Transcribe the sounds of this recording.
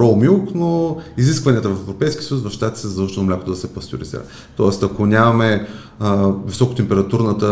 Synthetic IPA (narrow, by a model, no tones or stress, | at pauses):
ɾɔlˠmilˠknoizis̬kvɐniət̪əvɐfɛvɾopɛjskʲiəsəjusvɐfʃt̪at̪ʲi̥t̪sɛɔʃt̪nomlʲakot̪od̪ɐsɛpɐst̪ʲʊ̰ɾḭzḭɾə̰ | t̪ɔɛst̪ɐkonʲamɐmɛ | visɔko̥t̪ɛmpɛɾɐt̪uɾnət̪ə